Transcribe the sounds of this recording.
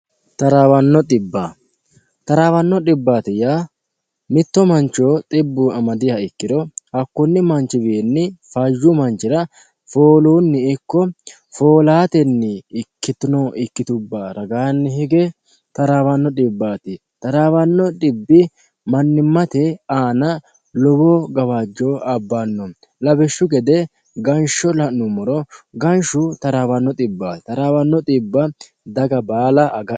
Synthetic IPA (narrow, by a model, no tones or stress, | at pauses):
t̪ɐɾaːwɐnːɔᶑ̪ɪbːa | t̪ɐɾaːwɐnːɔᶑɪbːaːt̪ɪjaː | mɪt̪ːɔmɐnt͡ʃoːt̪ʼɪbːuːʔɐmɐd̪ɪhɐɪkːɪd̪ɔhɐkːʊnːɪmɐnt͡ʃɪbenːɪfɐjːumɐnt͡ʃɪɾɐ | foːluːnːɪːkːɔ | fo̞ːlaːt̪ɛnːɪɪkːɪt̪ʊnoʔɪkːɪt̪ʊbːaːɾɐɡaːnːɪɦɛɡɛ | t̪ɐɾaːwɐnːɔɗɪbːaːt̪ɪ | t̪ɐɾaːwɐnːɔɗɪbːɪ | mɐnːɪmːɐt̪ɛaːnɐ | lɔboːɡɐwad͡ʒːoɐbːanːɔ | lɐbɛʃːʊɡɛd̪ɛ | ɡɐnʃɔlɐʔnʊmɔɾɔɡɐnʃʊt̪ɐɾaːwɐnːɔt̪ʼɪbːaːt̪ɐɾaːwɐnːɔt̪ʼɪbːɐ | d̪ɐɡɐbaːlɐɡɐ